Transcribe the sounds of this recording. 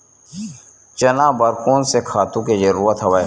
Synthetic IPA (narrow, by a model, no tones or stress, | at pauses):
t͡ʃɐnaːbəɾkuːnsekʰaːt̪ũked͡ʒɐɾuːɾət̪ɦɐʋəe